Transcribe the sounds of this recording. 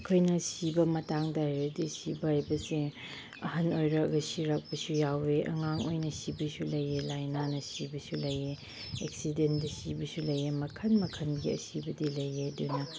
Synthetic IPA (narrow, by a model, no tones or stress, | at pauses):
ɐkʰojnɐsibɐmɐtaŋdɐɦajɾɐdisibɐhajbɐse | ɐhɐnojɾɐɐɡɐsiɾɐk̚pɐsujaweʔɐ̰ŋaŋojnɐsibɐsulɐjelajnanɐsibɐsulɐje | eksidendɐsibɐsulɐjemɐkʰɐnmɐkʰɐnɡiɐ̰sibɐdilɐjedunɐ